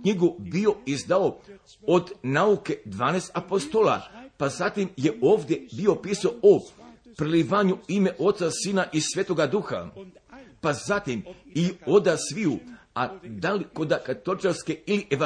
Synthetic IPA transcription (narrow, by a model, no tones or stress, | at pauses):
kɲiɡubio̞izd̪ao̞ | od̪nauke̞d̪ʋaːnest̪apost̪ola̰pazat̪imje̞ʔoːʋd̪je̞bio̞piːsaoopɾeliʋaɲuime̞ʔo̞t̪sasiːnaʔisʋʲeːt̪oɡad̪uxa̰ | pazat̪imio̞d̪asʋiu | ad̪aliko̞d̪akat̪ot͡ʃalske̞iliʔeʋa